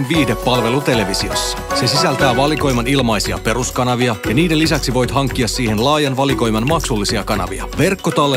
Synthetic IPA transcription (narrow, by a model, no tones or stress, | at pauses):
nʋiːhdepːɑlʋe̞lut̪e̞le̞ʋisio̞̰sːɑ̥se̞sisælt̪æːʋɑliko̞jmɑnilmɑjsiɑ̰pe̞ɾuskɑnɑʋiɑjɑniːdelisæksiʋo̞jt̪ɦɑŋkːiɑsːiːhe̞nlɑːjɑnʋɑliko̞jmɑnmɑksulːisiɑkɑnɑ̰ʋḭɑ̰ʋe̞rkːo̞t̪ɑlːe